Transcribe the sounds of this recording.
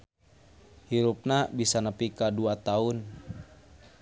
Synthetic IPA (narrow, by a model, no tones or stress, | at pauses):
hiɾup̚nabisanəpikaduat̪aun